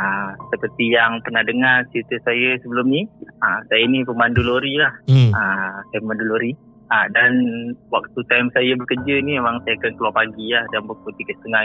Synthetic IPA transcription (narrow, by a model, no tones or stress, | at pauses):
əsəpərt̪ijaŋpərnahdəŋarsiit̪əsajəsəbəlʊmniəsajəinipəmanduloɾilahəsajəpəmanduloɾi | ədanwak̚t̪ut̪ajmsajəbəkəd͡ʒənimemaŋsajakankəluwapaɡilahdambəkut̪ikəst̪əŋa